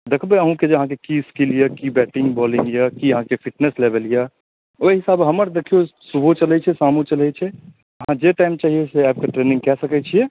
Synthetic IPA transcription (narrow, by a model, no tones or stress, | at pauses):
d̪ekʰbeəɦũked͡ʒəɦãk̬ekiskilijekibɛʈĩŋɡbɔlĩŋɡjakiəɦãkepʰiʈneslebelija | ojɦɪsaːbɦəməɾd̪ekʰijosubʱot͡ʃəlɛt͡ʃʰɛsamut͡ʃəlɛt͡ʃʰɛ | əɦãd͡ʒeʈaːɪmt͡ʃaɦieseɛp̚keʈɾenĩŋɡkɛsəkɛt͡ʃʰie